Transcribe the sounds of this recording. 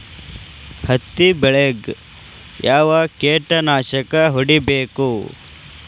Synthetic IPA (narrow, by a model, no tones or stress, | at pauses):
hɐt̪ːibɛɭeɡ | jʔaːʋɐkeːʈɐnaːʃɐkɐɦuɽibeːku